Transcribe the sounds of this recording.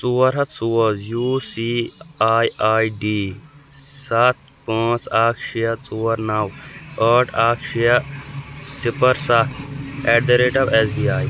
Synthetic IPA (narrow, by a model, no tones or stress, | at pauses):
t͡suɐɾɦɐt͡suːɐzjuːsiaːjaːjɖiː | sat̪̚ʰ | pãːt͡saːkʰʃijɐt͡suːɐɾnawəːʈʰaːkʰʃijɐ | sipɐɾsaɛɖɐɾeːʈɐbɛsbiaːj